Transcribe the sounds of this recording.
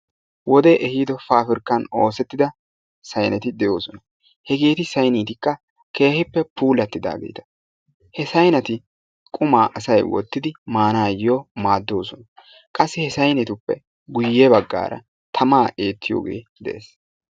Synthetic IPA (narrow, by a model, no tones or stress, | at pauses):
wɔd̪eʔɛhiːd̪ɔfaːfɪɾkːɐno̞ːsɛt̪ːɪd̪ɐ | sɐjnɛt̪ɪd̪ɛjo̞ːsɔnɐ | hɛɡe̞ːt̪ɪsɐjniːt̪ɪkːɐ | ke̞ːhɪpːɛpuːlɐt̪ːɪd̪a̰ːɡḛjt̪ɐ̥ | hɛsɐjnɐt̪ɪ | kʼʊmaːʔɐsɐjwɔ̰t̪ːɪd̪ɪmaːnaːjɪjoːmaːd̪ːo̞ːsɔnɐ | kʼɐsːɪhɛsɐjnit̪ʊpːɛ̰ | ɡʊjːɛbɐɡːa̰ːɾʔɐ̰ | t̪ʰɐmaːʔe̞ːt̪ʰːɪjo̰ːɡe̞̰ːd̪ɛʔḛːs